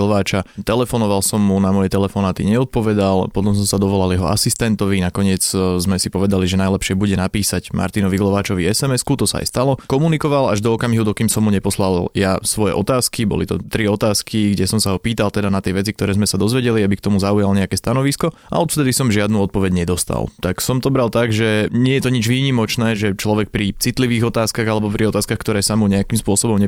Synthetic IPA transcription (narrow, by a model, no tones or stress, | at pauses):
lɔʋaːt͡ʃat̪ɛlɛfɔnɔʋalsɔmːunamɔjɛt̪ɛlɛfɔnaːt̪iɲɛɔt̪̚pɔʋɛd̪alpɔt̪ɔms̬ɔmsad̪ɔʋɔlaljɛɦɔ̰ʔa̰sist̪ɛnt̪ɔʋinakɔɲɪɛd͡zzmɛsipɔʋɛd̪aliʒɛnajlɛpʃɪɛbuɟɛnapiːsaɟma̰ɾt̪inɔʋiɡlɔʋaːt͡ʃɔʋiɛsɛmɛskut̪ɔsa̰a̰jst̪alɔkɔmunikɔʋalaʒd̪ɔːkamiɦud̪ɔkiːmsɔmɦuɲɛpɔslaljasʋɔjɛ̰ʔɔt̪aːskibɔ̰lit̪ɔ̰t̪ɾiɔt̪aːskiɡɟɛsɔmsaɦɔpiːt̪alˠt̪ɛd̪anat̪ɪɛʋɛt͡sik̚t̪ɔɾɛːzmɛsad̪ɔzʋɛɟɛliabikt̪ɔmuzaujalɲɛakɛːst̪anɔʋiskɔ | a̰ɔt̪ft̪ɛd̪isɔmʒɪad̪nuɔt̪̚pɔʋɛɟɲɛd̪ɔst̪a̰lˠt̪aksɔmt̪ɔbɾalt̪aɡʒɛɲɪɛjɛt̪ɔɲid͡ʒʋiːɲimɔt͡ʃnɛːʒɛt͡ʃlɔʋɛk̚pɾit͡sit̪liʋiːɣɔt̪aːskaɣalɛbɔpɾʔiɔt̪aːskaxkt̪ɔɾɛːsamuɲɛakiːmspʊɔsɔbɔmɲɛ